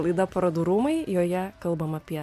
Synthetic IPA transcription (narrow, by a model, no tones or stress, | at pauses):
lˠɐɪd̪ɐpɐɾɐd̪uɾumɐɪjoːjɛkɐlˠbɐmɐpʲiɛ